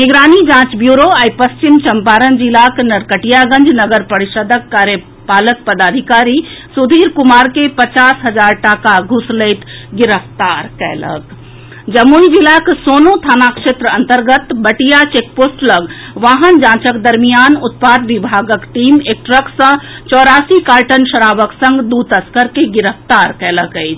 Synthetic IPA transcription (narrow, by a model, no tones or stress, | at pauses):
niɡɾaːnid͡ʒãːt͡ʃbjuːɾoaːipɐst͡ʃimt͡ʃɐmpaːɾənd͡ʒilaknɐɾkəʈijaɡə̃ɲd͡ʒnɐɡəɾpɐɾiʃəd̪əkːaːɾjə | paːlək̚pəd̪aːd̪ʱikaːɾisud̪ʱiːɾkumaːɾkepət͡ʃaːsɦɐd͡ʒaːɾʈakaɡʱusleːt̪ɡɪɾəft̪aːɾkɛ̰ːlə̰k | d͡ʒəmːuid͡ʒilaksoːnot̪ʰaːnakʃet̪ɾəənt̪əɾɡət̪bəʈijat͡ʃek̚poːsʈləɡ | ʋaːɦənd͡ʒãːt͡ʃəkd̪əɾmijaːnut̪̚paːd̪ʋibʱaɡəkʈiːmek̚ʈɾəksə̃t͡ʃɔːɾaːsikaːɾʈənʃəɾaːʋəksə̃ŋɡd̪ut̪əskəɾkeɡiɾəft̪aɾkɛːləkəɪt͡ʃʰ